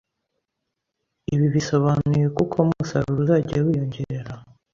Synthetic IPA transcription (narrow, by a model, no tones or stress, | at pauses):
iβiβiso̞βanujekukʰomuusaɾuɾuɾaɟawijoɲɟeɾe̞ɾa